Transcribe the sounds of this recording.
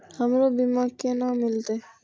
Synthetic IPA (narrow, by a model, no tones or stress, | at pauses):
hamɾobimakenamilt̪e